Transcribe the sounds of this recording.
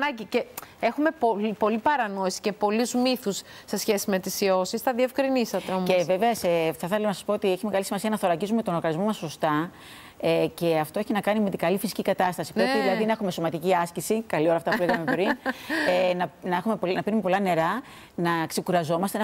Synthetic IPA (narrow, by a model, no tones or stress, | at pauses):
nɐɟicee̞xume̞polipo̞lipɐɾɐno̞isi̥ce̞po̞luzmiθusː | e̞sçe̞sime̞t̪isio̞sisθɐðie̞fkɾinisɐt̪eomeve̞ve̞ɐseθɐθelɐnɐsɐ̥spoot̪ieçime̞ɣɐlisimɐsiɐnɐθo̞lɐɟizumet̪onoɾɣɐnizmo̞mɐsːost̪ɐ | ece̞ɐft̪o̞e̞çinɐkɐnime̞t̪iɡɐlifisi̥cʲikɐt̪ɐst̪ɐsi̥peiðilɐðinɐe̞xume̞so̞mɐt̪iciɐscisikɐlio̞ɾɐft̪ɐpuleɐɐmepɾinenɐnɐexumepolnɐpiɾumepo̞lɐne̞ɾɐ | nɐkse̞kuɾɐzo̞mɐst̪en